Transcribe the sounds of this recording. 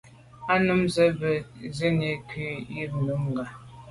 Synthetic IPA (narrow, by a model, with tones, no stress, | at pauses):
a˦nu˦mzə˦bə˨ze˦ne˨kɥi˦ji˦ŋnu˨˦mŋ˨ɡa˨